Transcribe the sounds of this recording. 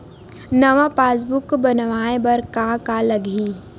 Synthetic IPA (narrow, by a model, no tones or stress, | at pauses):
nɐʋapaːs̬bʊkbənʋaːebɐɾkãkaləɡʱi